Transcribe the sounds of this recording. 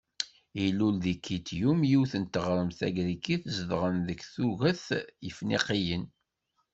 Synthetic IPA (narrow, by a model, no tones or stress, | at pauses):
ilulðikːit̪jumjiwθənt̪əʁɾˤəmθæ̰ɡɾikːiθzəðʁənðəkːθuɣəθjəfniqijən